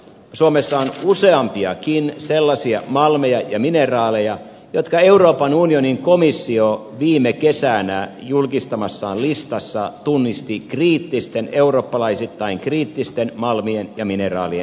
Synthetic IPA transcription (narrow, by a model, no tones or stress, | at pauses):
suomesːɑonuseɑmpiɑkinselːɑsiɑmɑlmejɑjɑminerɑːlejɑ | jot̪kɑe̞uroːpɑnunioniŋkomisːio | ʋiːmːekesænæjulkist̪ɑmɑsːɑːnlist̪ɑsːɑt̪unːist̪ikriːt̪ːist̪eneuroːpːɑlɑisit̪ːɑiŋkriːt̪ːist̪enmɑlmienjɑminerɑ̰ːlien